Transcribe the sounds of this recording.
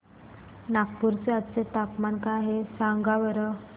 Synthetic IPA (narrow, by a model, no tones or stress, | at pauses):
nak̚puɾt͡seat͡set̪apmankaɦesaŋɡaʋəɾə